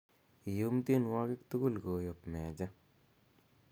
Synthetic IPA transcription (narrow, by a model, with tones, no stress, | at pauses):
i˨jo˦mte˦˨nwa˦kɪ˦kt̪u˦ɡu˦lko˨jo˨pmɛː˨d͡ʒa˦